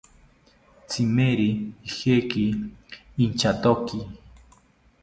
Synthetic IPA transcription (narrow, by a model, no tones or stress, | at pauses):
t͡sʰimeɾiixekiː | nt͡ʃat̪oki